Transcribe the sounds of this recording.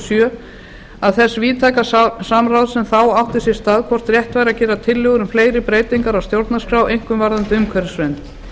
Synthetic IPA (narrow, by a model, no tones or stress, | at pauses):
sjœː | aðθɛsːviːt̪ʰaːjkasamɾawðsɛmθawawht̪ɪsɛ̥st̪aːðkʰvɔr̥t̪rjɛht̪vajɾacɛːɾat̪ʰɪlːʏːɣʏɾʏmfleːjɾɪpɾeːjt̪iŋkaɾawst̪jowɾt̪naskɾaːwʔejŋ̥kʏmvaɾðant̪ɪʏmkʰœɾsvɛnt̪